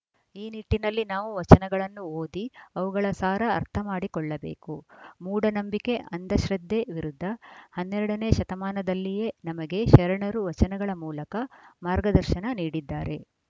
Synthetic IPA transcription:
iːniʈːinɐlːinaːʋuʋɐt͡ʃɐnɛɡɐɭɐnːuoːd̪iɐʋuɡɐɭɐsaːɾɐ̰ːɾt̪ʰɐmaːɽikɔɭːɐbe̞̰ːkumuːɽɐnɐmbike̞ʔɐnd̪ɐʃɾɐd̪ʱːe̞ʋiɾud̪ʱːɐhɐnːɛɾɐɽɐne̞ːʃɐt̪ɐmaːnɐd̪ɐlːije̞nɐmɐɡe̞ʃɐɾɐɳɐɾuʋɐt͡ʃɐnɛɡɐɭɐmuːlɐkɐmaːɾɡɐd̪ɐɾʃɐnɐniːɽid̪ːaːɾe̞

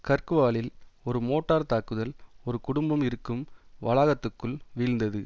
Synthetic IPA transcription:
kɐrkɯʋaːlɪlɔɾɯmoːʈːaːɾt̪aːkːɯðɐlɔɾɯkʊɽʊmbɐmɪɾɯkːɯmʋɐlɐɣɐt̪ːɯkːɯɭʋiːɻnd̪ɐðɯ

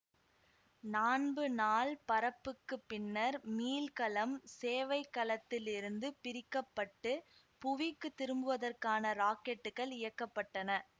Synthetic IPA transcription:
naːnbɯnaːlpɐɾɐpːɯkːɯpːɪnːɐɾmiːlkɐlɐmseːʋɐɪkːɐlɐt̪ːɪlɪɾɯnd̪ɯpɪɾɪkːɐpːɐʈːɯ | pʊʋɪkːɯt̪ːɪɾɯmbɯʋɐðɐrkaːnɐɾaːkɛʈːɯɣɐɭɪjɐkːɐpːɐʈːɐnɐ

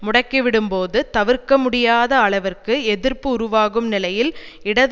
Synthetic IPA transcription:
mʊɽɐkːiʋɪɽɯmpoːðɯt̪ɐʋɪɾkɐmʊɽɪjaːðɐːɭɐʋɐrkɯɛðɪɾpɯʊɾʊʋaːɣɯmnɪlɐjɪlɪɽɐð

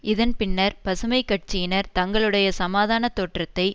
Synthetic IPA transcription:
ʔɪðɐnpɪnːɐɾpɐsɯmɐɪkːɐʈ̚t͡ʃɪjɪnɐɾt̪ɐŋɡɐɭɯɽɐjɐsɐmaːðaːnɐt̪oːʈrɐt̪ːɐɪ

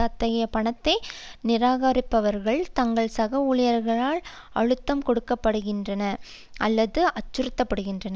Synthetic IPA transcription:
at̪ːɐɣɐjɐpɐɳɐt̪ːɐɪnɪɾaːɣaːɾɪpːɐʋɐɾɣɐɭt̪ɐŋɡɐɭsɐɣɐʊɭɪjɐɾɣɐɭaːɭ | ɐ̰ɻɯt̪ːɐmkɔɽɯkːɐpːɐɽɯɣɪndrɐnɐ | ʔɐlːɐðɯʔɐt͡ʃːɯɾɯt̪ːɐpːɐɽɯɣɪndrɐnɐ

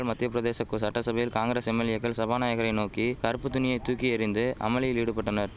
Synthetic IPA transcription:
ɭmɐt̪ːɪjɐpɪɾɐðeːsɐkːɯsɐʈːɐsɐbɐjɪlkaːŋɡɾeːsɛmːɛlɪjɐkːɐɭsɐbaːnaːjɐɣɐɾɐɪnoːkikɐɾɯpːɯt̪ʊnɪjɐɪt̪ːuːkiɐɾɪnd̪ɯɐ̰mɐlɪjɪliɽɯpːɐʈːɐnɐɾ

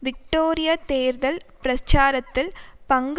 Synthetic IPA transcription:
ʋɪk̚ʈoːɾɪjat̪eːɾðɐlpɾɐt͡ʃaːɾɐt̪ːɪlpɐŋɡ

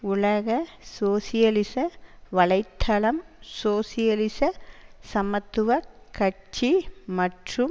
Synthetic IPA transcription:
ʊɭɐɣɐsoːsijɐlisɐʋɐɭɐɪt̪ʰːɐlɐmsoːsijɐlisɐsɐmɐt̪ːuʋɐkɐʈt͡ʃimɐʈrɯm

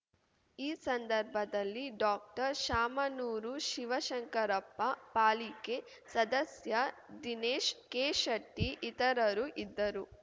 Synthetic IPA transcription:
iːsɐnd̪ɐɾbʱɐd̪ɐlːiɖaːk̚ʈɐɾʃaːmɐnuːɾuʃiʋɐʃɐŋkɐɾɐpːɐpaːlike | sɐd̪ɐsjɐd̪ineːʃkeːʃɐʈːiʔit̪ɐɾɐɾuʔid̪ːɐɾu

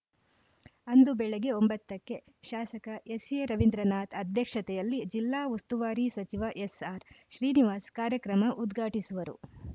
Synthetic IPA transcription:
ɐnd̪ubɛɭeɡe̞o̞mbɐt̪ːɐkːe̞ | ʃaːsɐkɐʔesjeɾɐʋind̪ɾɐnaːt̪ʰɐd̪ʱjɐkʂɐt̪ɛjɐlːid͡ʒilːaːust̪uʋaːɾisɐt͡ʃiʋɐʔesaːɾʃɾiːniʋaːskaːɾjɐkɾɐmɐʔud̪ɡʱaːʈisuʋɐɾṵ

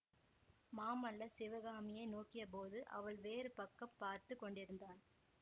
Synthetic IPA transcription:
maːmɐlːɐsɪʋɐɣaːmɪjɐɪnoːkːɪjɐp̬oːðɯʔɐ̰ʋɐɭʋeːɾɯpɐkːɐmpːaːɾt̪ɯkːɔɳɖɪɾɯnd̪aːn

